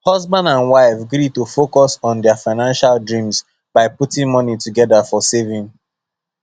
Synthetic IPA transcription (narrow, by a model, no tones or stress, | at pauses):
hʌzbãndãnwaɪfɡɹitofokɔsɔ̃n̩dɛafaɪnãnʃaldɹĩms | b̥aɪputĩŋmɔnituɡɛdafɔsevĩŋ